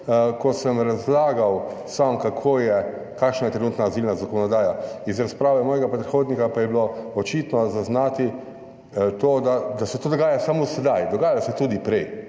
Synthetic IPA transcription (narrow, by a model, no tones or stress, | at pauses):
kɔsəmɾazlaːɡaw | samkakʰoːjɛ | kakʃnajɛt̪ɾɛnuːt̪naːzilnazakɔnɔd̪aːjaizɾaspɾaːʋɛmɔːjɛɡapɾɛt̪xoːd̪nikapajɛbiloɔt͡ʃit̪nɔzaznaːt̪i | t̪oːd̪ad̪asɛt̪oːd̪ɔɡaːjasamosɛd̪ajd̪ɔɡaːjaasɛt̪ud̪ipɾɛj